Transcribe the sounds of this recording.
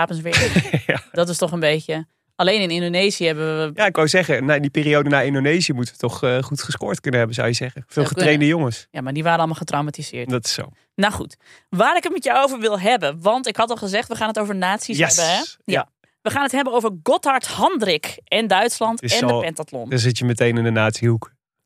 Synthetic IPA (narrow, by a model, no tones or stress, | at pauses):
aːpənsʋɪ | d̥ɔtɔstɔχənbejcjə | alejnɪnɪndonejzijəɦɛbəʋəəjaɪkʋawzɛɣənaɪndipiːriowdənaːɪndonejzijəmutəʋətɔχχutχəskʊːɹtkɵnəɦɛbənza̰wjəzɛɣəfɪːlˠχəttrejndəjoŋəsjamaɹdiʋaːɾəɔlˠmalˠχətrawmatiz̥ɪ̰ːɹtdɔtɪ̥so̰ | naχṵt | ʋaːɾɪkətmɛtjawowvəɹʋɪlˠɦɛbənʋɑntɪkhɑtɔlˠχəzɛχtʋəχaːnɦətowvəɹnaːtsisɛbəɛja | ʋəχaːnətɦɛbənowvəɹɡɔthɑɹthɑndrɪkɛndœɥtslɑntɪsɛndˠpɛntatlɔ̰ndɔzɪtjəmətejnɪndənaːtsiɦuk